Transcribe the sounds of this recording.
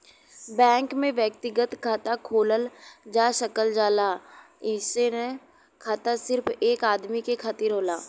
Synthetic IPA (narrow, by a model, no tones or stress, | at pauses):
bɛ̃ːŋkmẽʋjək̚t̪ɪɡət̪kʰaːt̪akʰoːləld͡ʒaːʃəkəld͡ʒaːla | ɪsen | kʰaːt̪asɪɾpʰeːkaːd̪mikekʰat̪ɪɾɦoːlaː